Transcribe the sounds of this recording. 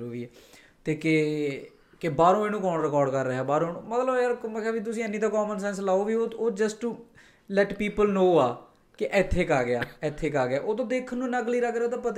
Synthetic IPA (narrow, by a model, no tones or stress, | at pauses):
uːɾiːɛː | t̪eːke | kɪbaːɾõːeːñũːkɔːɳɾɪkɔːɾɖkəɾːəɦɛːbaːɾõːnũːmət̪ləbjəɾmkaːbiːt̪̬ʊsĩːənːĩːt̪aːkɔːmənsɛ̃ːnslaːoːʋiːooːd͡ʒəsʈuː | lɛʈpiːpəlnoːaː | kɪʔɛt̪ʰːeːkaːɡɪa̰ːɛt̪ʰːeːkaːɡɪjaːʔoːt̪õːd̪eːkʰnũːnəkliːɾəkʰɾeoːt̪ãːpət̪